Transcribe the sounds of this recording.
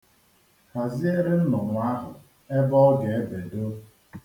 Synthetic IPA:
ha˨zi˦e˦ɾɪ˦n̩˦nɔ˨ŋʷa˦ɦʊ̰˨ | e˦bɔ˦ɡe˨e˦be˨do˦

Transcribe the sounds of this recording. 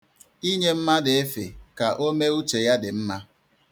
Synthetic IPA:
i˦ɲe˦m̩˦ma˦dɪ˨e˦fe˨ka˨ʔo˦me˦u˦t͡ʃe˨ja˦dɪ˨m̩˦ma˦

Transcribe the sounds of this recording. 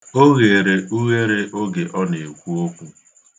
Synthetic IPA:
o˦ɣe˨ɾe˨ʔu˦ɣe˦ɾe˦ʔo˦ɡe˨ʔɔ˦ne˨kʷu˦o˦kʷu˦

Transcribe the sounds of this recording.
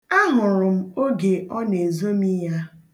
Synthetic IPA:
a˦ɦʊ˨ɾʊ˨m̩˦o˦ɡe˨ʔɔ˦ne˨zo˦mi˦ja˦

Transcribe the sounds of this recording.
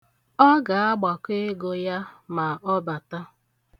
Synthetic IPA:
ɔ˦ɡa˨a˦ɡ͡ba˨ke˦ɡo˦ja˦ma˨ɔ˦ba˨ta˦

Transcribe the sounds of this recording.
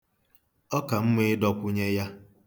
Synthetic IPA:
ɔ˦ka˨m̩˦me˦dɔ˦kʷʊ˦ɲe˦ja˦

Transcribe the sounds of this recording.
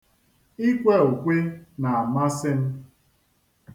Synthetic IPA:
i˦kʷe˦u˨kʷe˦na˨a˨ma˦sɪ˦m̩˦

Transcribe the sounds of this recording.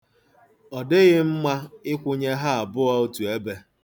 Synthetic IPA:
ɔ˨dɪ˦ɣɪ˦m̩˦ma˦ɪ˦kʷʊ˦ɲe˦ɦa˦a˨bʊ˦a˦o˦tu˨e˦be˦

